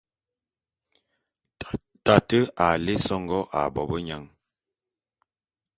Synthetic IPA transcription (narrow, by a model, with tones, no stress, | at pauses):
ta˨tə˦a˨le˦sɔ˦ŋɡɔ˦ʔa̰˨bɔ˨bə˦ɲa˦˨ŋ